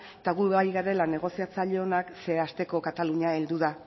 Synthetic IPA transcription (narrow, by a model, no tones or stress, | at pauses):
t̪aɣueβajɣaɾe̞lane̞ɣ̞o̞siat͡saʎeonakse̞ast̪e̞ko̞kat̪aluɲae̞ld̪uða